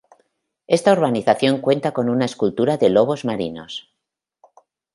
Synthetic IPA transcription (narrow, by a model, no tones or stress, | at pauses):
e̞st̪aoɾβaniθaθjo̞ŋkwe̞nt̪ako̞nunae̞skult̪uɾaðe̞lo̞β̞o̞zmaɾḭno̞̰s